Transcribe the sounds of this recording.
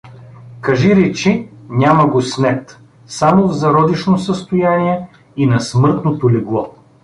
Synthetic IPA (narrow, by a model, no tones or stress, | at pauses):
kɐʒiɾɛt͡ʃinʲamɐɡosnɛt̪ | samovzɐɾɔd̪iʃnosəst̪ojaniɛ | inɐsmɤɾt̪not̪oliɡlˠɔ